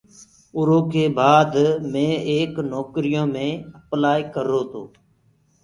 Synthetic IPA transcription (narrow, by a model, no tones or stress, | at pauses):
ʊɾoːkeːbaːd̪mẽːeːknɔːkɾɪjõːmẽːəplaːiːkəɾoːt̪ʰoː